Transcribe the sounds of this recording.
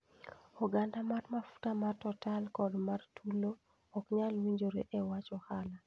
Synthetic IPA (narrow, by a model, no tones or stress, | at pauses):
ɔɡandamarmafu̥tamartɔtalkɔdmartʰulo | ɔkɲalwiɲd͡ʒoɾḛʔɛwat͡ʃɔhala